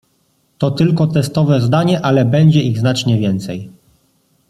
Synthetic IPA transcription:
t̪ɔt̪ɘlkɔt̪ɛst̪ɔvɛzd̪aɲɛʔalɛbɛɲd͡ʑɛiɣznat͡ʂɲɛvʲjɛnt̪sɛj

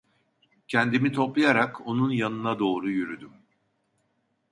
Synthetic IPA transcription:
cʰɛnd̪imit̪ʰo̞plˠajaɾako̞nunjanɯnad̪o̞ːɾujyɾyd̪ym

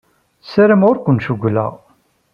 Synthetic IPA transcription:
səɾəmʊɾkʷənʃuɡʷlæ̰ʁ

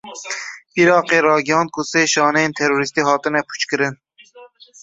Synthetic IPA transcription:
biɾɑːqeɾɑːɡʲɑnt̪̚kʰʊseʃɑːnent̪ʰeɾoɾist̪iɦɑːt̪ɨnɛpʰu̥t͡ʃkʲɨɾɪn

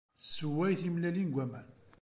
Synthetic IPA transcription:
səwæjθimlælinɡʷæmæn

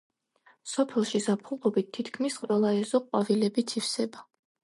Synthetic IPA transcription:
sɔpʰɛlˠʃizapʰulˠʁɔbit̪ʰːit̪ʰkʰmisqʼwɛlˠaɛzɔqʼwavilɛbit̪ʰifsɛba

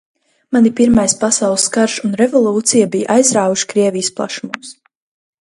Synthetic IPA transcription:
manipiɾmajspasawlˠskaɾʃunɾɛvɔlˠuːt̪sijabijʔajzɾaːvuʃkɾiɛvijsplˠa̰ʃumums

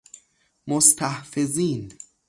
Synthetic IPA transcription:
most̪ʰæhfeziːn

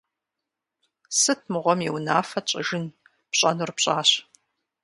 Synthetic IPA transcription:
sɨt̚ʰmɨʁʷɔmjɛwnaːfɐt͡ʃʼɐ̰ʒɨn | pɕʼɐnurpɕʼaːɕ

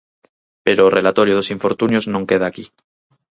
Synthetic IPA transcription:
peɾoːrʔelat̪o̞ɾjoðosiɱfo̞ɾt̪unjoznõŋke̞ð̞aːki

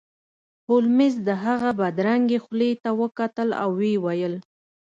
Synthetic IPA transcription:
hʊlmɪzd̪əɦaɣabad̪ɾaŋɡexlet̪awəkat̪əla̰wːewajəl

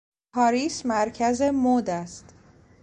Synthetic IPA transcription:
pʰɒːɾiːsmæɾcʰæzemoːd̪æst̪

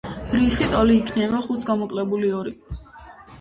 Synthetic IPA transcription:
ɾisit̪ʼɔliːkʰnɛβaχut̪sʰɡamɔkʼlɛbuliɔɾi

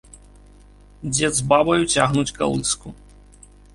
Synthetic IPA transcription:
d͡zʲɛd̪zbabɐjut͡sʲaɣnut͡sʲka̰lˠɨsku

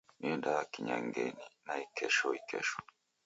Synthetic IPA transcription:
miɛndakiɲaŋɡɛninaikʰɛʃɔikʰɛ̰ʃɔ̥

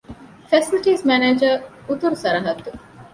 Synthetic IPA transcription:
fɛsilʈiːzmæneːd͡ʒəɾ | ut̪uɾusɐɾɐɦɐt̪ːu

